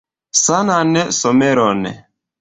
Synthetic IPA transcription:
sananɛsɔmɛɾɔnɛ̰

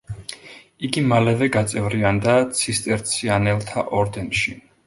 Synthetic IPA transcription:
iɡimalɛvɛɡat̪sʼɛvɾiand̪at̪sʰist̪ʼɛɾt̪sʰianɛlˠt̪ʰaʔɔɾd̪ɛnʃi

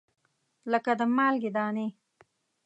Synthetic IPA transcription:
ləkad̪əmɑːlɡed̪ɑːne

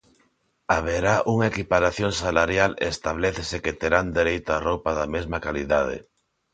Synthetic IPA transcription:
aβ̞eɾaʔuŋaekipaɾaθjoŋsalaɾjalḛːst̪aβ̞leθeseket̪eɾand̪eɾejt̪oarowpaðamezmakaliðað̞ḛ

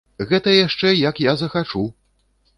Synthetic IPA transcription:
ɣɛt̪ɐjaʂt͡ʂɛjɐkjazɐxat͡ʂu

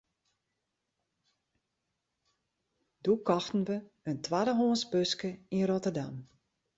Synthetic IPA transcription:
dukɔxtn̩ʋə | əntʰwadəɦoːnsbøskəinrotərdam

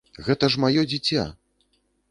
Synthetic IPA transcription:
ɣɛt̪ɐʂmajɔd͡zʲit͡sʲa̰

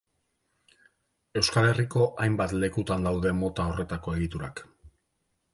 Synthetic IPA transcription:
e̞wskale̞riko̞ʔajmbat̪le̞kut̪and̪awðe̞mo̞t̪ao̞re̞t̪ako̞e̞ɣit̪uɾak

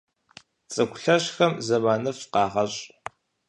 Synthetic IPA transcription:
t͡sʼɐkʷʰʊɬɐɕxɐmzɐmaːnɐfqɑːʁɐɕʼ

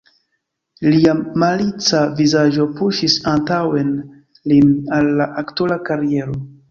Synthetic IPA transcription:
liamalit͡savizaʒo̞puʃisantawe̞n | linalːaʔaktulakaɾie̞ɾo̞

